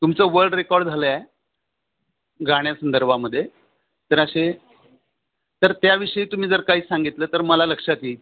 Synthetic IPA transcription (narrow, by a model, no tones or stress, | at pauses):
t̪umt͡səʋəɾɖɾekɔɾɖd͡zʱaləa | ɡʱaɽ̃jasənd̪əɾbʱaməd̪ʱːje | t̪əɾəɕe | t̪əɾt̪jaʋiʂəiːt̪um̤iːd͡zəɾkaɦiːsaŋɡit̪ləːt̪əɾməlaləkʂat̪iː